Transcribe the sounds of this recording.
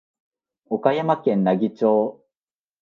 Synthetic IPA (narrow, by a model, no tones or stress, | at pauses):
okajamakẽ̞nnaɡʲit͡ɕo̞ː